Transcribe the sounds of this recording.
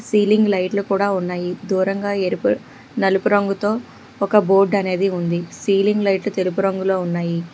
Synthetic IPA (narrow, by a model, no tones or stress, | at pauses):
siːliŋɡlɐjʈlukuːɽaːunːaːjid̪uːɾɐŋɡaːeːɾipu | nɐlupuɾɐŋɡut̪o̞ː | ɔkɐboːɾɖɐne̞ːd̪iund̪isiːliŋɡlɐjʈlut̪elup̬uɾɐŋɡulo̞ːunːaːji